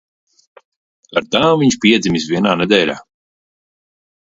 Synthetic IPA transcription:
aɾt̪aːmviɲʃpʲiɛd̪zimisviɛnaːnɛd̪ɛjlʲa̰ː

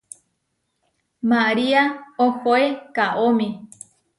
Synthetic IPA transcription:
maɾiaokoekaʔomẽ

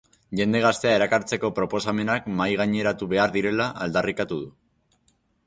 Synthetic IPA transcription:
ʝe̞nd̪e̞ɣ̞ast̪e̞ae̞ɾakaɾt͡se̞ko̞pɾo̞po̞same̞nakmajɣ̞aɲe̞ɾat̪uβe̞aɾðiɾe̞laʔald̪arikat̪uð̞u

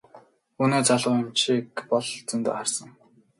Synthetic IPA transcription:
uneːt͡saɮʊːɪ̆mʃikpɔɮt͡sɵnt̪o̰ːχarsə̆ŋ

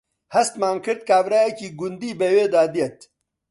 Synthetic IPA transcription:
hɐst̪maːnkʰɨɾd̪̚kaːvɾaːjɛciːɡʊnd̪iːbeweːd̪aːd̪ijɛt̪

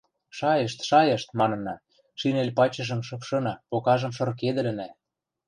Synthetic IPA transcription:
ʃɑjɤʃt̪ʃɑjɤ̆ʃt̪mɑnɤ̆nɑ | ʃinelʲpɑt͡ɕɤ̆ʒɤ̆mʃɤ̆pʃɤ̆nɑpokɑʒɤ̆mʃɤ̆rked̪ə̆lə̆næ

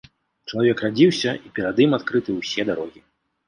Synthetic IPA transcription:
t͡ʂɐlˠavʲɛkrad͡zʲiwsʲɐipʲɛɾad̪ɨmat̪kɾɨt̪ɨwsʲɛd̪aɾɔɣʲi

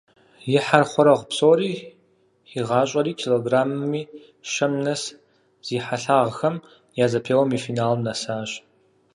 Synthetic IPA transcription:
jɪħarχʷɔɾɐʁʷpsʼoːɾiː | iʁɑːɕʼɐɾiːkʰeloɡraːmːiː | ʃɐmnɐs | z̥iːħaɬaːʁxɐm | jaːzɐpʰeːwɐmiːfiːnaːlmnɐsaːɕ

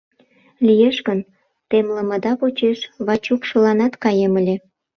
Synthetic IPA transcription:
lijeʃɣən | t̪emləməd̪ɑpot͡ɕeʃβɑt͡ɕukʃə̆lɑnɑt̪kɑjeməlʲe

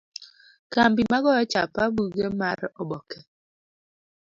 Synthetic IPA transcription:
kambimaɡɔjɔt͡ʃapabuɡemaɾɔbɔkɛ

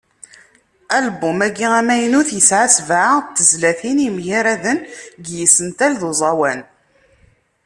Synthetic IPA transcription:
ælbumæɡːiʁæmæjənuθjəsʕasvʕat̪ːəzlæθinimjaɾæðənɡjisənt̪ælðuzˤɑwæn

